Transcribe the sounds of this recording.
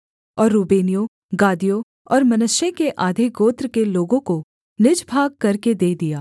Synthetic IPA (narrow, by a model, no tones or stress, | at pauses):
ɔːɾːuːbeːnijo | ɡaːd̪ijo | ɔːɾmɐnʊʃekeʔaːd̪ʱiɡoːt̪ɾkeloːɡõko | nɪd͡ʒbʱaːɡ̚kɐɾked̪eːd̪ijaː